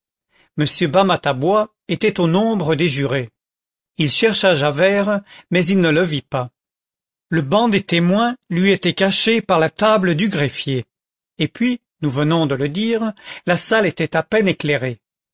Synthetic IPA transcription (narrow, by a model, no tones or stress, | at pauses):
məsjøbamat̪abwa | et̪ɛt̪onɔ̃bʁəd̪eʒyʁe | ilʃɛʁʃaʒavɛʁmɛzilnələvipa | ləbɑ̃d̪et̪emwɛ̃lɥiet̪ɛkaʃepaʁlat̪abləd̪yɡʁɛfjeː | pɥi | nuvənɔ̃d̪ələd̪iːʁlasalet̪ɛt̪apɛneklɛʁe